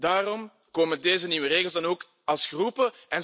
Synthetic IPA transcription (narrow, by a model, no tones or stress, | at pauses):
daːrɔm | koːmədeːzəniːwəreːɣəlˠzdɑnoːk | ɑlˠsxrupəɛn